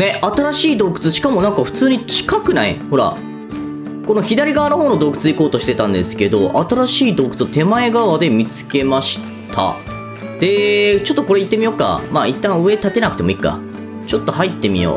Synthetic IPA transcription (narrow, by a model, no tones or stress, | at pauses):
ne̞ʔat̪aɾaɕiːd̪o̞ːkɯ̟̥t͡sɨɕi̥kamo̞nãŋkaɸɯ̟̥t͡sɨːɲ̟it͡ɕi̥kakɯ̟naḭho̞ɾa̰ | ko̞no̞çid̪aɾʲiɡaβanoho̞ːno̞d̪o̞ːkɯ̟̥t͡sɨiko̞ːt̪o̞ɕi̥t̪e̞t̪ãnd̪e̞sɨ̥ke̞d̪o̞ʔat̪aɾaɕiːd̪o̞ːkɯ̟̥t͡sɨot̪e̞mae̞ɡaβad̪e̞mʲit͡sɨ̥ke̞maɕi̥ | t̪ʰa̰ | d̪̥e̞t͡ɕo̞t̪ːoko̞ɾe̞it̪ːe̞mʲijo̞ːka̰maːit̪ːãɯ̟e̞t̪at̪e̞nak̟t̪e̞mo̞ikːa̰ | t͡ɕo̞t̪ːo̞hait̪ːe̞mʲḭo̰ː